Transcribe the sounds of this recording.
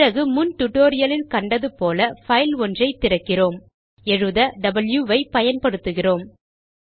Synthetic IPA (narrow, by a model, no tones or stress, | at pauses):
rɐɣɯmʊnʈʊʈoːɾɪjɐlɪlkɐɳɖɐðɯpoːlɐfɐɪlɔndrɐɪt̪ːɪrɐkːɪroːm | ɛɻɯðɐɖɐbɐljuʋɐɪpɐjɐnpɐɽɯt̪ːɯɣɪroːm